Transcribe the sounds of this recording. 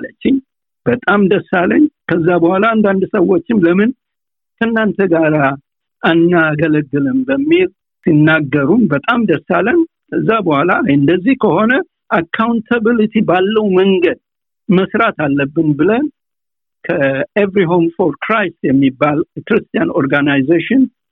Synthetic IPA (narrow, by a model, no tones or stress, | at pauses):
lət͡ʃːɪɲ | b̥ət̪ʼamd̪əsːaləɲːkʰəzːabəhʷalaːnd̪and̪səwːot͡ʃːɪmləmɨn | kʰənːant̪ʰəɡaɾa | ʔanːaɡələɡːɨləmbəmːil | sinːaɡːəɾunbət̪ʼamd̪əsːalːəɲ | kʰəzːabəhalajɨnd̪əzːihkəho̞nə | ʔakʰːawnt̪ʰəbilit̪ʰibalːəwməŋɡəd̪̚ | məsɾat̪alːəbːɨnbɨlən | kʰəevɾiɦomfoɾkɾajsjɛmːibːalkɨɾɨst̪ʰijano̞ɾɡanajzeʃɪn